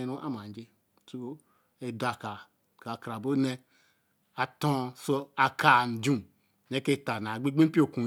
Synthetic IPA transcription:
ɾũ˦ʔa̰˦ma˨˦d͡ʒe˦ | tu˦o˦ | e˨da˨ka˨ | ka˨kɾa˨bo˦ne˦ | a˨tõ˦so˦a˨ka˨n̩˨d͡ʒũ˦˨ | ne˦ke˦˨ta˨na˨ɡ͡be˦ɡ͡be˦m˦pi˦o˦˨kũ˨

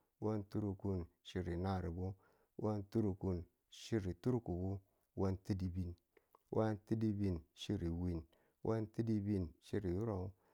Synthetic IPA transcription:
wa˦ntu˦ɾu˧ku˧nʃi˧ɾi˨na˦˨ɾi˨bo˦ | wʔa˦ntu˦ɾu˧ku˧n | ʃi˦ɾi˨tu˦ɾku˨bu˦ | wa˦nti˦di˦bi˧n | wʔa˦nti˦di˦bi˧nʃi˦ɾi˨wi˨n | wʔa˦nti˦di˦bi˧nʃi˦ɾi˨u˦ɾa˨u˦

